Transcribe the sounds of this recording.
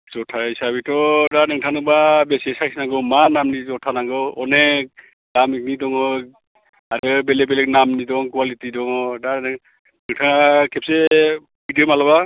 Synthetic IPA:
zɔtʰaisabitɔdanɯŋtʰanɔbabɛsiesasinaŋɡɯmanamnizɔtʰanaŋɡɯɔne | ɡamik̚nidɔŋɔ | aɾɯbɛlɛbɛlɛk̚namnidɔŋkuwalitidɔŋɔda | nɯŋtʰakʰɛp̚se | bidiomalaba

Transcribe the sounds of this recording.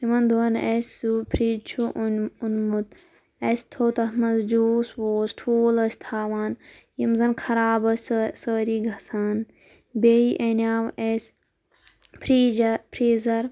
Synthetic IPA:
timɐnd̪uɐnesupʰɾiːd͡ʒt͡ʃʰuʔunmut̪ | ɐst̪ʰoːt̪ɐt̪mɐnzd͡ʒoːswoːsʈʰoːlɐsʲt̪ʰaːʋaːnjimzɐnkʰɐɾaːbɐsʲsəːɾiːɡʱɐsaːn | beːiʔenʲaːʋesʲ | pʰɾiːd͡ʒɐpʰɾiːzɐɾ

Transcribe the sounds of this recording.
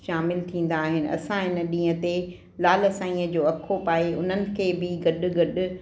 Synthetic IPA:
ʃaːmɪlt̪ʰĩːn̆d̪aːɦɪnɪ̆ɐ̰sãɦɪnəɗĩːə̃t̪e | laːlɐsãːĩːəd͡ʑoːɐkʰopaːeʊn̤ənɪ̆kʰeːbɪɡɐɗʊ̆ɡɐɗʊ̆

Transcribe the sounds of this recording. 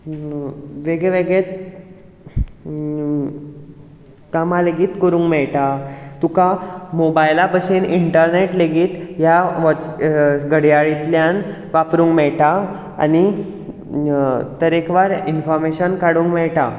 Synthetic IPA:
ʋeɡeʋeɡɭet̪ | kamaleɡiːt̪kəɾũːŋɡmɛɭʈat̪ukamobajlapəseniɳʈəɾneʈleɡiːt̪jaʋə | ɡəɽjaɭit̪ljan | ʋapɾũːŋɡmɛɭʈa | a̰ni | t̪əɾekʋaɾinfɔɾmeɕənkaɽuːŋkmɛɭʈa

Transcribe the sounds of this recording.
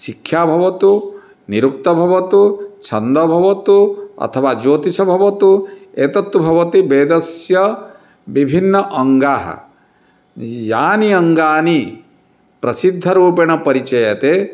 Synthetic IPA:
ʃikʰjaːbʱɐʋɐt̪u | niɾuk̚t̪ɐbʱɐʋɐt̪ut͡ʃʰɐnd̪ɐbʱɐʋɐt̪uɐ̰t̪ʰɐʋaːd͡ʒoːt̪isɐbʱɐʋɐt̪ueːt̪ɐt̪ːubʱɐʋɐt̪ibeːd̪ɐsjɐ | bibʱinːɐʔɐŋɡaːɦɐ̰ | jaːniɐŋɡaːni | pɾɐsid̪ʱːɐɾuːpeɳ̃ɐpɐɾit͡ʃɐjɐt̪e

